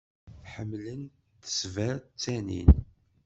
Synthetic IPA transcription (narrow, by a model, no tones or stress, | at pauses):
ħəmːlən | t̪ə̥svæɾt͡sːænḭn